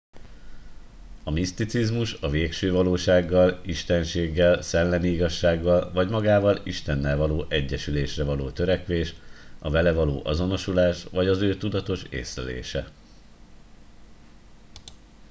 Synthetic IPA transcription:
ɒmist̪it̪sizmuʃɒveːkʃøːvɒloːʃaːɡːɒliʃt̪ɛnʃeːɡːɛlsɛlːɛniiɡɒʃːaːɡːɒlvɒɟmɒɡaːvɒliʃt̪ɛnːɛlvɒloːʔɛɟːɛʃyleːʃrɛvɒloːt̪øɾɛkʋeːʃɒvɛlɛvɒloːʔɒzo̞no̞ʃulaːʃʋɒɟɒzøːt̪ud̪ɒt̪o̞ʃḛːsrɛlḛːʃɛ

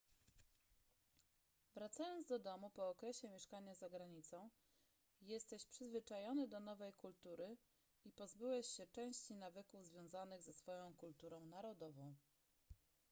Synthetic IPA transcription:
vɾat̪sajɔnd̪zd̪ɔd̪ɔmupɔːkɾɛɕɛmʲjɛʂkaɲazaɡɾaɲit̪sɔ̃w̃ | jɛst̪ɛɕpʂɘzvɘt͡ʂajɔnɘd̪ɔn̪ɔvɛjkult̪uɾɘ | ipɔzbɘwɛɕɕɛt͡ʂɛ̃w̃ɕt͡ɕinavɘkuvzvʲjɔ̃w̃zanɘɣzɛsfɔjɔ̃w̃kult̪uɾɔ̃w̃naɾɔd̪ɔvɔ̃w̃

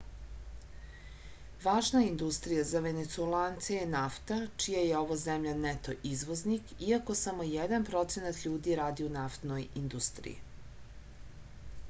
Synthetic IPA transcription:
ʋaːʒnaind̪ust̪ɾijazaʋenet̪suelaːnt̪sejenaft̪at͡ʃijajeo̞ʋozemʎanet̪o̞ʔizʋo̞znikiako̞samo̞jed̪anpɾo̞t̪se̞nat̪ʎuːd̪iɾaːd̪iunaft̪nojind̪ust̪ɾḭjḭ

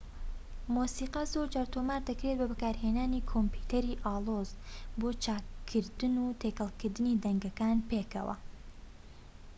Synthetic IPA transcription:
muːsiːqɐzoɾd͡ʒaːɾt̪ʰomaːɾd̪ɐkɾet̪̚bɐbɐkaːɾɦeːnaːniːkʰomput̪ʰɐɾiːʔaːlˠoz̥boːt͡ʃʰaːkʰːɨɾd̪ɨnuːt̪ʰeːkɐlˠkɨɾd̪ɨniːd̪ɐŋɡɐkaːnpeːkɐ̰wɐ̰

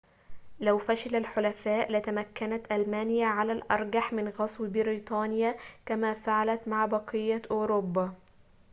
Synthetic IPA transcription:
læwfæʃɪlælħolæfæːʔlɪt̪æmækːænæt̪ʔælmæːnɪjæʕalæːlʔɑɾˤɡaħmɪnɣɑsˤwbɪɾiːt̪ˤɑːnɪjakæmæːfaʕalæt̪maʕbɑqɨjːaʔoːɾoːbːa

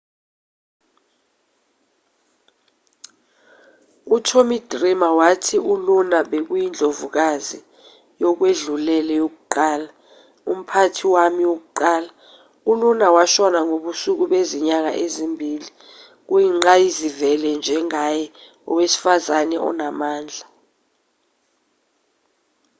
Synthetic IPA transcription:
utʰomid̥rimawatʰiulunaɓek̬ujind͡ɮʱovuk̬azi | jɔk̬weɮulɛlɛjok̬uǃaːla | um̩pʰatʰiwamiwok̬uǃaːla | ulunawaʃɔnaŋoɓusuk̬uɓeziɲaŋa̰ʔezimbʱiːli | k̬ujiŋ͡ǁajizivɛlɛnd͡ʒʱɛŋajɛ | ɔ̰wesi̥fazanɛɔ̰namaːnd͡ɮʱa

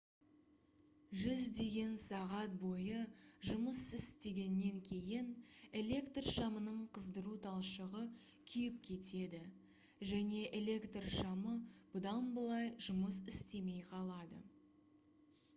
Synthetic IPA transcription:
ʒʏzd̪e̞ɡʲe̞nsɑʁɑt̪̚bo̞jəʒʊməsɪst̪e̞ɡʲe̞nːe̞ŋkʲʰe̞jɪne̞lʲe̞kt̪rʃɑmənəɴqʰəzd̪əɾut̪ʰɑlˠʃəʁə | kʲʰʏjɪp̚kʲʰe̞t̪e̞d̪ɪ | ʒæne̞ʔele̞kt̪rʃɑməb̥ʊd̪ɑnbəlˠɑjʒʊməs̬ɪst̪e̞me̞jqʰɑlˠɑd̪ə̰

